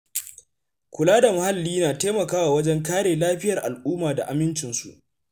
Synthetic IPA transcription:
kʷʊ˨laː˦da˨mʊ˨ha˦lːiː˦naː˨teː˦mɐ˨kaː˦waː˨wɐ˦d͡ʒɛ˦ŋkaː˦ɽeː˨laː˦ɸɪ˦jɐ˨rʔa˨lʔuː˦maː˨da̰˨ʔa˨mɪ˦nt͡ʃɪ˨nsu˨ʔ

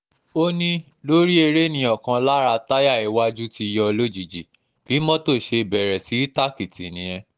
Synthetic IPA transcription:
o˦nĩ˦ | lo˦ɾi˦e˧ɾe˦nĩ˧ɔ˦˨kã˧la˦ɾa˧ta˦ja˦˨i˨˦wa˦d͡ʒu˦ti˧jɔ˧lo˦d͡ʒi˨d͡ʒi˨ | b̥i˨˦mɔ̃˦to˦˨ʃe˧bɛ˨ɾɛ˨si˨˦ta˦ki˨ti˨nĩ˨˦j̃ɛ̃˧

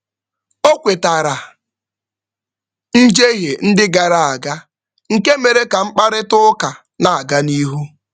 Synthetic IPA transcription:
o˦kʷe˨ta˨ɾa˨ | n̩˦d͡ʒe˦ɦe˨n̩˦dɪ˦ɡa˨ɾa˦a˨ɡa˦ | ŋ̩˨ke˦me˨ɾe˦ka˨ŋ͡m̩˦k͡pa˦ɾɪ˦tʊ˦ka˨ | na˨a˨ɡa˦ni˦ɦu˦

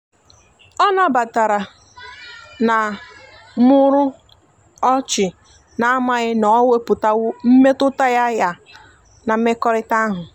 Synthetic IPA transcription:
ɔ˦na˦ba˨ta˨ɾa˨ | na˨ | mʊ˦ɾʊ˦ | ɔ˦t͡ʃɪ˨ | na˨˦a˦ma˨ɣɪ˦nɔ˨˦we˦pʊ˨ta˦wʊ˦m̩˦me˦tʊ˦ta˦ja˦ja˨ | na˨m̩˦me˦kɔ˦ɾɪ˦ta˦ɦʊ˨

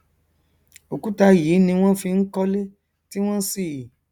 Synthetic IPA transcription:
o˨ku˨˦ta˧jiː˨˦nĩ˧w̃ɔ̃˦fĩ˧ŋ̩˦kɔ˦le˦ | ti˦w̃ɔ̃˦si˦˨ji˨

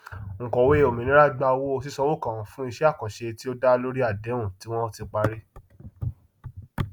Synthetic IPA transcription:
ŋ̩˨kɔ˨we˦˨o˨mĩ˨nĩ˨˦ɾa˦ɡ͡ba˧wo˦o˧s̬i˦sɔ˧wo˦˨kã˨˦fũ˦i˧ʃɛ˦a˦˨kɔ̃˨ʃe˧ti˦o˦da˦˧lo˦ɾi˦a˦˨dɛ˨˦ũ˦˨ti˨˦w̃ɔ̃˦ti˧k͡pa˧ɾi˦

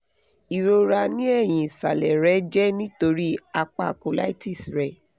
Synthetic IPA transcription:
i˨ɾo˧ɾa˧nĩ˦ɛ˦˨j̃ĩ˨sa˨lɛ˨ɾɛ˨˦d͡ʒɛ˦nĩ˦to˧ɾi˦a˧k͡pa˧˨ko˨la̰˦i˦ti˦˨sɾɛ˨

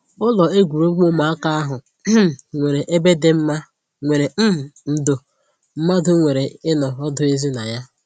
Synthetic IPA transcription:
ʊ˦lɔ˨e˦ɡʷu˨ɾo˦ɡ͡bo˦ma˨a˦ka˦a˦ɦʊ˨˦˨ | ŋʷe˨ɾe˨ʔe˦be˦de˦m̩˦ma˦ | ŋʷe˨ɾe˨m̩˦m̩˨n̩˨do˨ | m̩˦ma˦dʊ˦ŋʷe˨ɾe˨ɪ˦nɔ˨ɔ˦dʊ˦e˦zi˦na˨ja˦

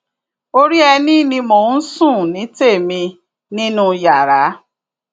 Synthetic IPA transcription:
o˧ɾi˦ɛ˧nĩ˦˨nĩ˧mo˨˦sũ˦˨nĩ˨˦te˦˨mĩ˧ | nĩ˦nũ˦ja˨ɾa˨˦

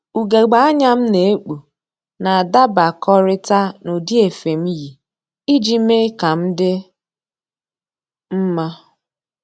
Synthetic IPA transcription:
u˨ɡe˨ɡ͡ba˨˦a˦ɲa˦m̩˦ne˨e˦k͡pu˨ | na˨a˨da˦ba˨kɔ˦ɾɪ˦ta˦no˨di˦e˨fe˨m̩˦ji˨ | i˦d͡ʒi˦me˦ka˨m̩˦dɪ˦ | m̩˦ma˦

